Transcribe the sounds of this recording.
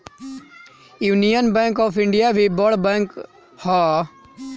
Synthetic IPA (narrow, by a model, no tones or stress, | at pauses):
juːnijənbɛ̃ːŋkɔːfʰɪɳɖijaːʋibɔɽbɛ̃ːŋk | ha